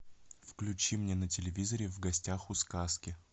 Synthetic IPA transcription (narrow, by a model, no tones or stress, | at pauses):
fklʲʉt͡ɕimnʲenətʲɪlʲɪvʲizəɾʲɪvɡɐsʲtʲaxʊskaskʲɪ